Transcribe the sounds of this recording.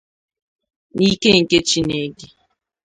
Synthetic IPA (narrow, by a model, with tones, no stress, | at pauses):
ni˦ke˦ŋ̩˨ke˦t͡ʃi˦ne˨ɡɪ˦